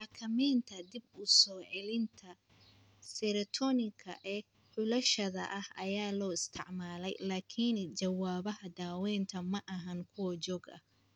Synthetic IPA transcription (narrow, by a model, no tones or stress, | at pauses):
ɑkʰɐmɛːnt̪ʰɐd̪ɪbʊsɔːʕɛlɪnt̪ʰɐ | sɛɾɐt̪ʰɔnɪkʰɐʔɛː | ħʊlɐʃɐðɐ̰ʔɐhɐjaːlɔːɪst̪ʰɪʕmaːlɛjlaːkʰint͡ʃɐwaːβɐɦɐd̪aːwɛːnt̪ʰɐmɐʔɐɦɐŋkʰʊwɐt͡ʃɔːɡɐ̰